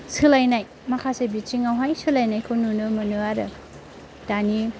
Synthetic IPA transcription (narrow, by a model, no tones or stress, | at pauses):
sɯlajnaj | mɐkʰasebit͡ʃiŋawɦajsɯlajnajkʰɯwnunɯmɐnɯaɾɯ̰ | d̥ani